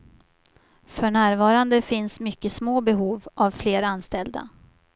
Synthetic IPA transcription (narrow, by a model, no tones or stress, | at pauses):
fœɳæːɾvɑːɾand̪əfɪnsmʏkːəsmoːbɛɦuːvʔavfleːɾanst̪ɛld̪a̰